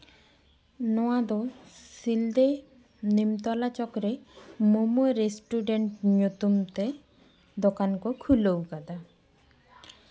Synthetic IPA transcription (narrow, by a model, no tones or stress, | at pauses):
nɔad̪osild̪e | nimt̪ɔlat͡ɕɔkɾemomuɾesʈuɖeɳʈɲot̪umt̪e | d̪okankokʰulowɡad̪a